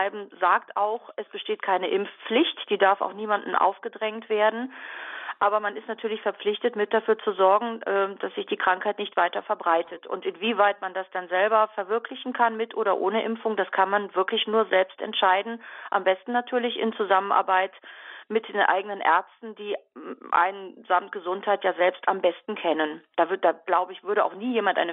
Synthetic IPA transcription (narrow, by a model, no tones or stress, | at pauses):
ɪbm̩zaːktaʊxʔɛsb̥əʃteːtkʰaɪnəʔɪmfp͡flɪçtd̥iːdaɐfa̰ʊxniːmandn̩ʔa̰ʊfɡ̥ədʁɛŋtv̥eːɐdn̩ | ʔaːbɐmanɪstnatʰyːɐlɪçfɛɐp͡flɪçtətmɪt̚d̥afyːɐt͡suzɔɐɡŋ̩ʔɛdasz̥ɪçd̥iːkʁ̥aŋkhaɪtnɪçtv̥aɪtɐfɛɐbʁaɪtʰətʊ̰ntɪnviːvaɪtmandasd̥anzɛlbɐfɛɐvɪɐkʰlɪçn̩kʰanmɪtʔoːɾɐ̰ʔoːnəʔɪmfʊŋd̥askʰanmanvɪɐklɪçnuːɐzɛlpstɛ̰ntʃaɪdn̩ʔambɛstn̩natʰyːɐlɪçʔɪ̰nt͡suzamənʔa̰ɐbaɪtmɪt̚d̥eːnʔa̰ɪɡənənʔɛ̰ɐt͡stn̩diːʔa̰ɪnnzamt̚ɡ̥əzʊnthaɪtjaːzɛlpstʔambɛstn̩kʰɛnənd̥avd̥aːɡ̥laʊbəɪçv̥ʏɐɾəa̰ʊxniːjeːmantʔa̰ɪnə